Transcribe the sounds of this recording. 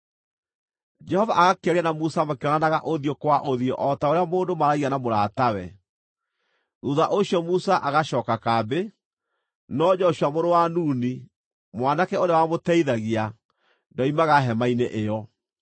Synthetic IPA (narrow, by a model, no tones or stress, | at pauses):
d͡ʒɛhɔvaʔaɣakeɛɾanamusamakɔnanaɣa̰ʔoðiokwaʔoðiɔʔɔtaoɾeamoːndomaɾaɣiɣanamoɾatawɛ | ðuðaʔoɕjɔmusaʔaɣaɕɔːkakabe | nɔd͡ʒɔɕwamoɾowanuːni | mwanakɛoɾewamotɛiðaɣia | ndɔimaɣaɦɛmaineʔejɔ